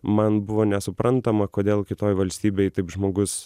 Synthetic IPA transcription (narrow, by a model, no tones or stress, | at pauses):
mɐnbʊʋoːnʲɛsʊpɾɐnt̪ɐmɐkoːd̪ʲeːlˠkʲɪt̪oːjʋɐlʲsʲt̪ʲiːbʲejt̪ɐɪpʒmoːɡʊs